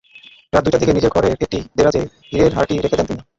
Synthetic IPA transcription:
ɾad̪ujʈad̪ikenid͡ʑeɾkɔɾeek̚ʈid̪eɾad͡ʑe | ɦiɾeɾɦa̰ɾʈiɾekʰed̪ɛnt̪ini

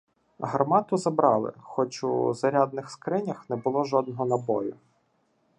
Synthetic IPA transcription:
ɦɐrmɑt̪ʊzɐbɾɑlˠɪ̰xɔt͡ʃʊzɐɾʲad̪̚nɪxskɾɪnʲɐxnɛbʊlˠɔʒɔd̪nɔɦɔnɐbɔjʊ

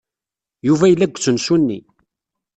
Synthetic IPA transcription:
juvæjəlːæɡʷːt͡sːənsunːḭ

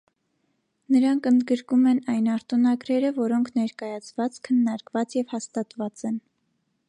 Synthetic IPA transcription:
nəɾɑŋkʰənd̪ɡəɾkumɛnɑjnɑɾt̪unɑɡɾɛɾəvɔɾɔŋkʰnɛɾkɑjɑt͡sʰvɑt͡skʰənːɑɾkvɑt͡sjɛvhɑst̪ɑt̪vɑt͡sɛn

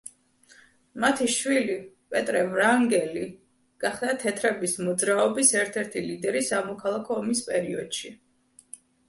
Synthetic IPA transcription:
mat̪ʰiʃwili | pʼɛt̪ʼɾɛvɾaŋɡɛli | ɡ̥aχd̪at̪ʰɛt̪ʰɾɛbismɔd̪zɾaɔbisɛɾt̪ʰɛɾt̪ʰilid̪ɛɾisamɔkʰalˠakʰɔːmispʼɛɾiɔd̪̥ʃi

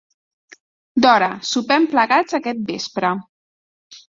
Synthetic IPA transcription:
d̪ɔɾəsupɛmpləɣad͡zəkɛt̪̚bespɾə

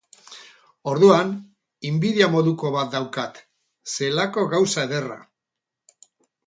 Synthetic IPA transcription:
o̞ɾðuan | imbiðiamo̞ðuko̞βat̪̚d̪awkat̪ | se̞lako̞ɣawsaeðe̞ra̰

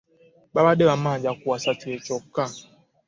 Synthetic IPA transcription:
ɓabaɗɛβamad͡ʒakuasat͡ʃuɛt͡ʃɔkːa

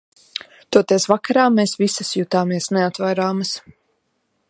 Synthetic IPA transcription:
t̪uɔt̪ɛsvakaɾaːmːeːsvisɐsjut̪aːmiɛsnɛat̪vajɾaːmɐs

